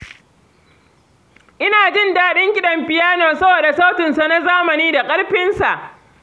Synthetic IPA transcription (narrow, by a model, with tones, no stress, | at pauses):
ʔɪ˦naː˨d͡ʒɪ˦˨ndaː˦ɗɪ˦ŋkʲɪ˦ɗɐ˨mɸɪ˨jaː˦noː˨sɐ˦boː˨da˨sa˦wtɪ˨nsa˨na˦zaː˦mɐ˨niː˦da˨kʼɐ˦ɽɸɪ˦nsa˨ʔ